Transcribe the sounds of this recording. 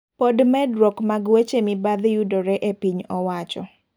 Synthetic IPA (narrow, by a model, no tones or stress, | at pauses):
podmɛdwokmaɡwet͡ʃemibaðjudɔɾɛʔepiɲɔwat͡ʃɔ